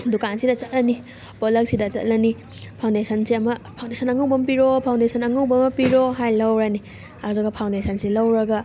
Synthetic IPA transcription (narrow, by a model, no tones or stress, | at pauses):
dukansidɐt͡ʃɐt̚lɐni | bolɐk̚sidɐt͡ʃɐ̰t̚lɐni | pʰawndesʰɐnsiɐmɐpʰaw̃ndesʰɐnɐŋɐwbɐmpiɾopʰawndesʰɐnɐŋɐwbɐmpiɾoɦajlɐwɾani | ɐɾduɡɐpʰawndesʰɐnsilɐwɾɐɡɐ